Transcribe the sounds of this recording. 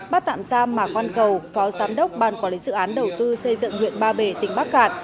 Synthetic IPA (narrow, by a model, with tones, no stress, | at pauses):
ɓaː˦˥t̚t̪a̰ː˧˨msaː˧mːaː˨˩xwaː˧nkə˨˩wfɔ˨˦zaː˨˦mɗə˦˥wk͡p̚ɓaː˨˩nkɔ˨˦li˨˦zɨ̰˧˨ʔaː˨˦nɗə˨˩wt̪ɨ˧sə˧jzɨ̰˧˨ŋhwḭ˧˨ənɓaː˧ɓe˧˩t̪ï˨˩ŋ̟ɓa˦˥k̚ɣaː˧˨t̚